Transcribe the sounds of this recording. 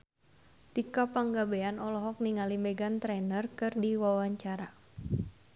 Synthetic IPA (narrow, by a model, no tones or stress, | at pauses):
t̪ikapaŋɡabeanɔlɔɦɔk̚niŋalimɛɡant̪ɾɛnərkɨrdiwawaɲt͡ʃaɾa